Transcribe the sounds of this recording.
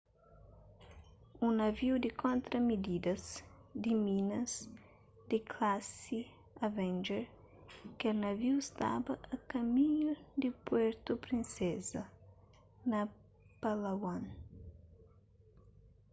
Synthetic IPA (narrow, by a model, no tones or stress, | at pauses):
unɐviwd̪ɪkʰõnt̪ɾɐmid̪id̪ɐzd̪iminɐz | d̪ɪkʰlasi | avɛ̃nd͡ʒɛɾ | kɐnɐviwɪst̪a̰bɐɐkɐmiɲud̪ɪpwɛɾt̪upɾinsɛzɐ | nɐ | palaɡwan